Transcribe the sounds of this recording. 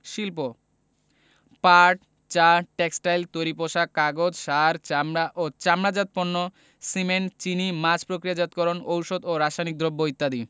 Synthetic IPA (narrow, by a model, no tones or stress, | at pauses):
ʃilpo | paɾʈ | t͡ɕaʈeksʈajlt̪ojɾipoʃakaɡod͡ʑʃaɾt͡ɕamɾaʔot͡ɕamɾad͡ʑat̪̚ponːo | siment͡ɕinimad͡ʑpɾokɾijad͡ʑat̪̚kɔɾonowʃod̪oɾaʃajnik̚d̪ʱɾobːoit̪ːad̪i